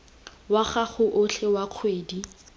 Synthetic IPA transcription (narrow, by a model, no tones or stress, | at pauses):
waχaχʊʔʊɬʰɛwaq͡χʰweːdi